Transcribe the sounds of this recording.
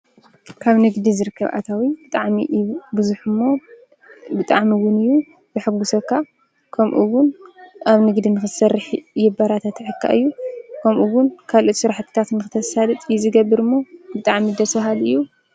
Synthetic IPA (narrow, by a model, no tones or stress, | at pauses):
kʰaβnɨɡd̪izɨɾɨkʰːɐβʔa̰t̪ʰawibɨt̪ʼaʕmḭʔbɨzuħɨmːo̞ | bɨt̪ʼaʕmiwʊnɨjːu | b̥ɨħɨɡusɐkːa | kʰɐmʔuwʊnʔaβnɨɡd̪inɨxɨsɐrːɨħjɛbaɾat̪ʰat̪ʕɨkʰːa̰ʔɨjːukʰɐmʔuwʊnkʰalʔo̞t̪sɨɾaħt̪ʰɨ̥t̪ʰat̪nɨxɨt̪ʰɐsalɨt̪ʼjɛzɨɡɐbːɨɾɨmːo̞bɨt̪ʼaʕmid̪ɐsfɐɦalɨjːu